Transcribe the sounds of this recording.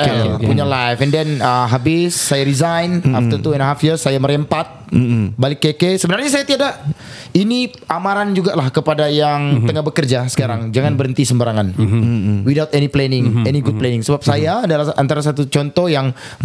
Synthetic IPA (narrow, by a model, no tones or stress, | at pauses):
puɲalajfɛndɛnəmɦabɪsːajaɾizajnaft̪ərt̪uɛndɦafirsajaməɾɛmpat̪̚balɪkːekesəbənarɲas̬ajat̪iada | ini | amaɾand͡ʒuɡaʔlahkəpadajaŋt̪əŋabəkərd͡ʒasə̥kaɾaŋd͡ʒaŋanbəɾənt̪isəmbəɾaŋan | widawt̪ɛniplɛnɪŋɛniɡud̚plɛnɪŋsəbap̚sajaːdalaha̰nt̪aɾas̬at̪ut͡ʃɔnt̪ɔhjaŋ